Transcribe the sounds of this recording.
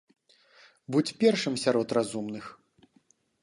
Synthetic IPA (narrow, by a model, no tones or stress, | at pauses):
but͡sʲpʲɛrʂɨmsʲaɾɔt̪razumnɨx